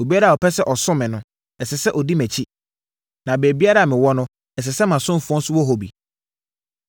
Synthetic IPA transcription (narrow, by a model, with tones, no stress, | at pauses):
o˨bi˦a˦ɾa˨ɔ˨pʰɛ˦sɛ˦ʔɔ˨sʊ̃˦mɪ̃˨nʊ̃˨ | ɛ˨sɛ˨sɛ˦ʔɔ˨di˦mæ̃˨t͡ɕʰi˦ | nã˨be˨bi˦a˦ɾa˨mɪ̃˨wɔ˦nʊ̃˦ | ɛ˨s̬ɛ˨sɛ˦mã˨sʊ̃˦m̩˦fu˨˦ɔ̃˦n̩˦sʊ˦wɔ˦ɦo˨bḭ˨